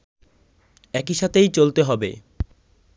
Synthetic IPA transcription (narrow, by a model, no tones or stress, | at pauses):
ɛkiʃat̪ʰejt͡ɕolt̪eɦɔbḛ